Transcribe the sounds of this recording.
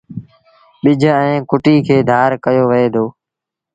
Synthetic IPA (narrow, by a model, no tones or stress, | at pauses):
ɓɪd͡ʒʱɛ̃ːkʊʈiːkʰeːd̪ʱaːɾkəjoːʋəeːd̪ʰoː